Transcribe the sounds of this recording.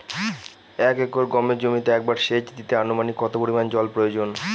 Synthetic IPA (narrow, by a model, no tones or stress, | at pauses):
ɛkekoɾɡɔmed͡ʑomit̪eɛk̚baɾʃet͡ɕd̪it̪eanomanikːɔt̪opoɾimand͡ʑɔlpɾojod͡ʑon